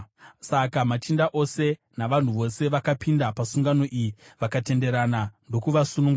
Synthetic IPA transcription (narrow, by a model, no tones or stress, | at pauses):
sakamat͡ʃindaʔo̞se̞ | naʋan̤uʋo̞se̞ʋakapindapasuŋɡano̞ʔijiʋakate̞nde̞ɾanando̞kuʋasunuŋɡu